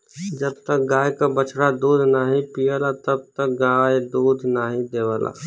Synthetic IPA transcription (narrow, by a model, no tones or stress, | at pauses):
d͡ʒɐbt̪ɐk̚ɡaːjkabɐt͡ʃɽad̪uːd̪ʱnaːɦĩpijəlat̪ɐb̚t̪ɐk̚ɡaːed̪uːd̪ʱnaːɦĩd̪eːʋəla̰ː